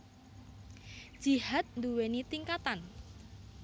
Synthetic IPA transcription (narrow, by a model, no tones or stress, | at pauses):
d̥ʒ̥i̤hat̪̚nd̪uwenit̪iŋkat̪an